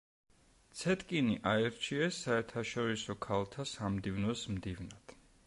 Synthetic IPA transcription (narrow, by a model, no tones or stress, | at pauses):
t̪sʰɛt̪ʼkʼiniʔaɛɾt͡ʃʰiɛsːaɛɾt̪ʰaʃɔɾisɔkʰalˠt̪ʰasamd̪ivnɔsmd̪ivnad̪̥